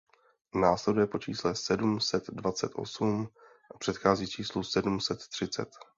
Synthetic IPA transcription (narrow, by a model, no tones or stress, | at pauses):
naːslɛdujɛpo̞t͡ʃḭːslɛsɛdumsɛt̪dvat͡sɛt̪ʔo̞̰sum | ʔapr̥ɛt̪xaːziːt͡ʃiːslusɛdumsɛt̪ːr̝̥ɪt͡sɛ̰t̪